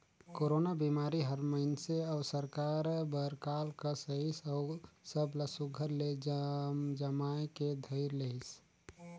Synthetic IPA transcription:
koɾonabimaːɾiɦəɾməɪnseəːsəɾkaɾbəɾkalkasəisɔʊsəbləsuɡʱəɾled͡ʒd͡ʒəmaeked̪ʱəɪɾləɦis

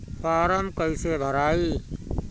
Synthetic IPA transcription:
paːɾəmkəɪsebʱəɾaːi

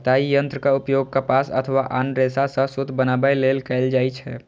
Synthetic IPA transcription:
t̪aːijə̃nt̪ɾəkaʊpjoɡ̚kapaːsə̰t̪ʰəʋaʔanɾesasə̃sʊt̪bənabəjleːlkɛld͡ʒaːit͡ʃʰɛ̰ː

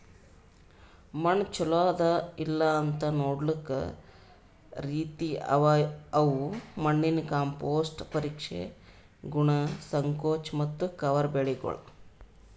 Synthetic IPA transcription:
mɐɳt͡ʃɔlaːd̪ɐilːɐːnt̪ɐnoːɽlikɐ̰ | ɾiːt̪iɐʋɐʋumɐɳːinkaːmpoːsʈpɐɾiːkʂḛ | ɡuɳɐsɐŋkoːt͡ʃmɐt̪ːukɐʋɐɾbeɭiɡɔ̰ɭɐ

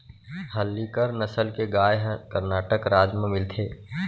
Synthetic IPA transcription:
həlːikəɾnəsəlkeɡaːjɦkəɾnaːʈəkɾaːd͡ʒmẽmɪlt̪ʰeː

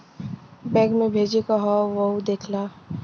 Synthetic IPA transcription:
bɛ̃ːɡmẽbʱeːd͡ʒekaɦɔʋɐud̪eːkʰlaː

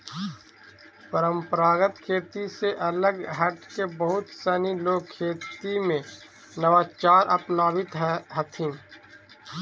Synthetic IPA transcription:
pəɾə̃mpəɾaːɡət̪kʰeːt̪iseʔɐləɡɦəʈkebəɦʊt̪sɛːniloːɡ̚kʰːeːt̪imẽ | nəʋaːt͡ʃaːɾʔɐ̰pnaːbɪt̪ɦɦət̪ʰĩ

